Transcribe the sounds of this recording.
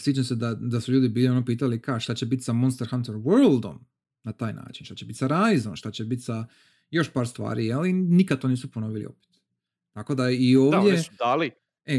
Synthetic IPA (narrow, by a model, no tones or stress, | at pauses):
slit͡ʃemse̞d̪ad̪asuʎuːd̪ibiːlio̞nopiːt̪alikaʃt̪at͡ɕe̞bit̪samo̞nst̪eɾxant̪eɾwəɾlˠd̪o̞̰m | nat̪aːjna̰ːt͡ʃinʃt̪at͡ɕe̞bit̪saɾajzomʃt̪at͡ɕe̞bit̪sa | jo̞ʃpaːɾst̪ʋa̰ːɾijalinikad̪t̪o̞niːsupono̞ʋilḭo̰pe̥t̪ | t̪ːako̞d̪aio̞ːvdjed̪ali | e